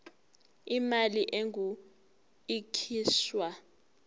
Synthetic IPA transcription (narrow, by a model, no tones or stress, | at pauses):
imaliʔeŋu | ikʰiːswa